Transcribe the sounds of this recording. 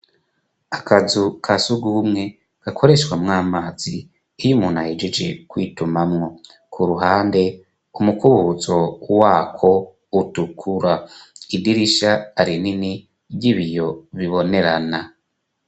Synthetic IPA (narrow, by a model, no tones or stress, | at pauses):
akʰazukʰasuɡuːmŋe̞ | ɡ̥akʰo̞ɾe̞ʃwamŋaːmaːz̥i | ijumuːnhahed͡ʒed͡ʒe̞kwiːtumamŋo̞ | kʰuɾuɦaːnde̞ | umukuβuzo̞waːkʰo̞ | utukʰuɾaidiɾiʃaːɾinini | bɟiβijo̞βiβo̞ne̞ɾana